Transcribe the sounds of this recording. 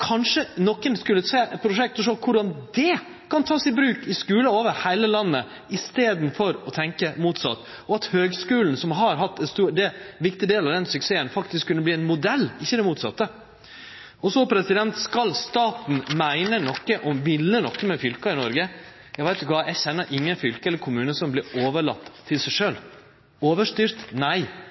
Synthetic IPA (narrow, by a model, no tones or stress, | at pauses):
kʰɑnʂənɔkːənskʉlːəseːpʰɾʊʂɛk̚t̪ɔʂoːkʰʊɾɑnd̪ɛ | kʰɑnt̪ʰɑːsɪbɾʉːkɪskʉːləoːʋəɾhæɪləlɑnːə | ɪst̪eːd̪n̩fɔɾɔt̪ʰɛŋkəmuːt̪sɑ̰t̪ː | ɔɑt̪høːɡskʉːln̩sɔmɦɑɾɦɑt̪ːɛnst̪uːd̪ɛʋɪkt̪ɪd̪eːlɑʋd̪ɛnsʉkseːənfɑkt̪ɪskʰːʉnːəbliːɛnmʊd̪ɛlːɪçːəd̪ɛmuːt̪sɑ̰t̪ːə | ɔsɔpʰɾɛsɪd̪ɛnt̪skɑlst̪ɑːt̪n̩mæɪnənɔkːəʔɔmʋɪlːənɔkːəmɛfʏlkɑɪnɔɾɡə | jæɪʋæɪt̪ɪkʋɑːjæɪçɛnːəɾʔɪŋːənfʏlkəɛlːəɾkʰʊmʉːnəsɔmblɪɾoːʋəɭɑ̰t̪ʰːɪlsæɪʂøːl | oːʋəʂt̪yːɾt̪næɪ